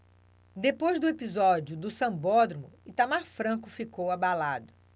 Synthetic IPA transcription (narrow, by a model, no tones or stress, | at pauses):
d̪epojzd̪ʊepizɔd͡ʒiʊd̪ʊsɐ̃mbɔd̪ɾomʊɪt̪amaɾfɾɐ̃kʊfikowabalad̪ʊ